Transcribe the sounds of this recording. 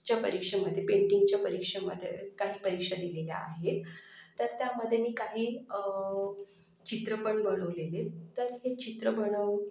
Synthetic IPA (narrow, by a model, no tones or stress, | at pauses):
t͡ɕjapə̰ɾikʂəməd̪ʱːjepeɳʈiŋɡ̚t͡ɕjapəɾikʂəməd̪ʱjḛkaɦiːpəɾikʂəd̪ilelja̰a̰ɦet̪t̪ːəɾt̪jaməd̪ʱːjemiːkaɦiː | t͡ɕit̪ɾəpəɳbəɽ̃əʋlelet̪əɾɦet͡ɕit̪ɾəbəɽ̃əʋ